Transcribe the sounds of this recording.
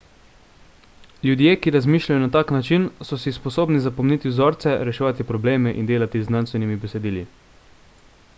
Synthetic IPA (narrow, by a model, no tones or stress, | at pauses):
ljud̪jeːkiɾazmiːʃlʲajɔnat̪aːknat͡ʃinsɔsispɔsoːbnizapɔmnit̪iwzoːɾt̪sɛɾɛʃɛʋat̪ipɾɔbleːmɛʔḭnd̪eːlat̪izːnanst̪ʋɛnimibɛsɛd̪iːli